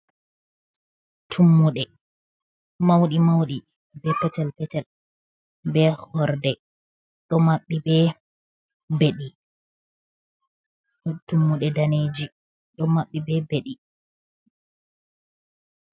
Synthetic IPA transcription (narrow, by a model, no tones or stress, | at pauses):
tʰumːuɗɛ | mawɗimawɗi | bɛpɛtɛlpɛtɛl | bɛhɔɾdɛ | ɗɔmaɓːibɛ | beɗi | tumːuɗɛdaneːd͡ʒi | ɗɔmaɓːibɛbeɗi